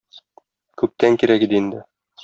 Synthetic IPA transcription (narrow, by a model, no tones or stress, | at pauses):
kʉp̚t̪æŋkiɾækid̪ɘind̪ɘ